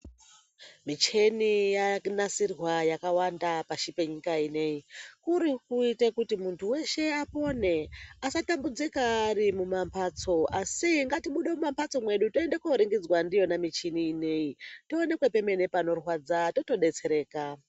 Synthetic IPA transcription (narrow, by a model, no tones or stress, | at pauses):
mit͡ʃe̞nijanasirwajakawandapaʃipe̞ɲikaine̞ikuɾikuitekutimuntʰuwe̞ʃe̞apo̞ne̞asatambud͡zikaːɾimumampʰat͡so̞asiŋɡatiɓuɗemumampat͡so̞mwe̞ɗutoendekoɾiŋɡid͡zwandijo̞namit͡ʃiniːne̞itoone̞kwe̞pe̞me̞ne̞pano̞rwad͡zato̞to̞ɗe̞t͡se̞ɾe̞ːka